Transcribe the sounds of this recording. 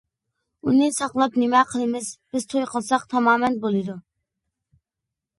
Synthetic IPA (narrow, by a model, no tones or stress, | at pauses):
unɨsɑqlˠɑpnɪmɛqʰəlˠɪmɪzb̥ɪz̥t̪ʰojqʰɑlˠsɑqt̪ʰɑmɑːmɛnbolˠɨd̪u